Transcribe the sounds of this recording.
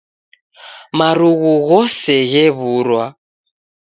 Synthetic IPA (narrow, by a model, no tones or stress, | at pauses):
maɾuɣuɣɔsɛɣɛβuɾwa